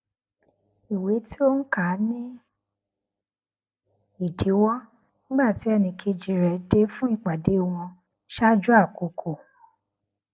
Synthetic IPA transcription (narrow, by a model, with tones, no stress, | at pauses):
i˨we˨˦ti˦o˦n̩˦ka˨˦nĩ˦ | i˦˨di˨˦wɔ˦ | nĩ˦ɡ͡ba˦˨ti˨˦ɛ˦˨nĩ˧ki˧d͡ʒi˧ɾɛ˨de˦fũ˦i˦˨k͡pa˨de˨˦o˦˧w̃ɔ̃˧ | ʃa˦d͡ʒu˦a˦˨ko˧˨kʰo˨